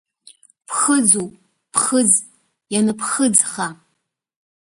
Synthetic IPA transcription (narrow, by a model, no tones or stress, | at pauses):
pʰxəd͡zu | pʰχɨd͡z | janɨpxɨd͡zχa